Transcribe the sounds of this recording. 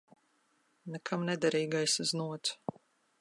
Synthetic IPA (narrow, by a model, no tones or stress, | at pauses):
nɛkʰamnɛd̪aɾiːɡajsznuɔt̪s